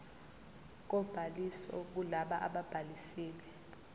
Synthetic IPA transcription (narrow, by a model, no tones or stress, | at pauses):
k̬ɔb̥ʱalisɔ̰k̬ulaɓaʔa̰ɓab̥ʱalisiːlɛ